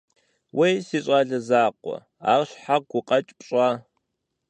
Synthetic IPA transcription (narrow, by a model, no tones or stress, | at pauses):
wʔejsiːɕʼaːɮɐzaːqʷɔ̰ | a̰ːrɕħaɡʷʊqʼɐt͡ʃʼpʼɕʼaː